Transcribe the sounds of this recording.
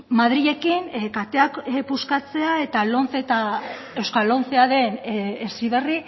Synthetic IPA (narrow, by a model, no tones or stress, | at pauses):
maðɾiʝe̞kinkat̪e̞akpuskat͡se̞ae̞t̪alonθet̪a | e̞wskalo̞nθeaðe̞nesiβe̞ri